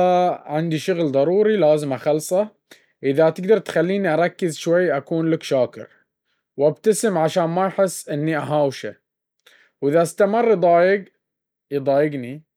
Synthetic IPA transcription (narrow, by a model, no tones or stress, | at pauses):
aʕɪnd̪iʃʊɣlðˤɑɾˤuːɾilaːzɪmaxɑlsˤɑ | ʔɪðat̪ɪɡd̪ɑɾˤt̪xalːiːniʔɑɾˤɑkːɪzʃwajːʔakuːnlakʃaːkɪ̰ɾ | wʔabt̪asɪmʕaʃaːnmajħɪsːʔɪnːiʔaɦaːwʃa | wʔɪðaʔst̪amɑrˤːjd̪ˤɑːjɪɡ | jd̪ˤɑːjɪɡni